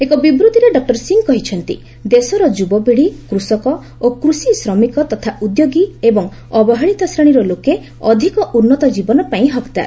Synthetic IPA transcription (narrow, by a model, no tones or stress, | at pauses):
ekɔbibɾut̪iɾeɖɔk̚ʈɔɾsiŋkɔɦit͡ʃʰɔnt̪ḭ | d̪esɔɾɔd͡ʒubɔbiɽikɾusɔkɔ | okɾusisɾɔmikɔt̪ɔt̪ʰaʔud̪joɡiebɔŋ | ɔbɔɦaɭit̪ɔsɾeɽ̃iɾɔloke | ɔd̪ʱikɔʔunːɔt̪ɔd͡ʒibɔnɔpaĩɦɔkt̪a̰ɾ